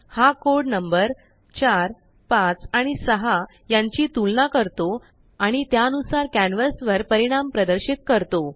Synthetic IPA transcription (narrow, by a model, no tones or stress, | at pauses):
hakoɽnəmbəɾ | t͡ɕaɾ | pãt͡saɽ̃isəɦa | jaɲt͡ɕiːt̪ulnakəɾt̪o | aɽ̃it̪jaənusaɾkænʋəsʋəɾpəɾiɽ̃ampɾəd̪əɾɕit̪̚kəɾt̪o